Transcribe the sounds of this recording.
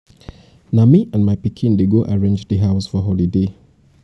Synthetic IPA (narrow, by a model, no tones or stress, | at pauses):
namiʔãnmaɪpikʰĩndeɡoʔaɹẽnd͡ʒdəɦaʊsfɔɦɔlide